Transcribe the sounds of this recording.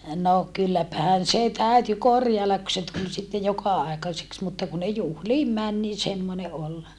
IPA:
no kylːæpæhæn se tæyty korjɑelːɑk ku se tul sitːe jokɑɑekɑseks mutːɑ ku ne juhliːm mæn niː semːone ʔol

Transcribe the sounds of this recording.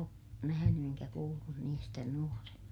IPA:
o næhæny eŋkæ kuːlːun niːstæ nuorenɑ

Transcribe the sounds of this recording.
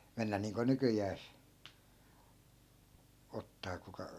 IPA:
menːæ niːŋko nykyjæːs otːɑː kukɑ

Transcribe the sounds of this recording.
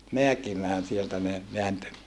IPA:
meækimæːn sieltæ ne ʋeæntø

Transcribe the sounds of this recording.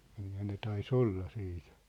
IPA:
kylːæ ne tɑis olːɑ siːt

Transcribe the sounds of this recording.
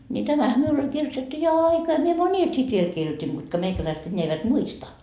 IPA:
nʲi tæmæhæ miul olʲ kirjotetːu jo ɑikɑː mie monʲil sit ʋiel kirjotʲin kutkɑ meikælæiset enʲːeæ eiʋæt muistɑ

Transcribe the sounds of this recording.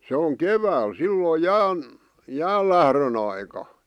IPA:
se oŋ keʋæːl silːoi jæːn jæːlːæhrøn ɑikɑ

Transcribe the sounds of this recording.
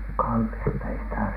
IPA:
kɑlːistɑ ei sitæ

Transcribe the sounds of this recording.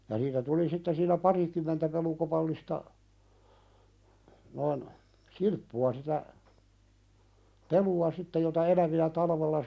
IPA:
jɑ niːtæ tuli sitːe siːnˑæ pɑrikymˑentæ pelukopɑlːistɑ noin silpːuɑ sitæ peluɑ sitːe jotɑ elæʋiæ tɑlɑʋelːɑ

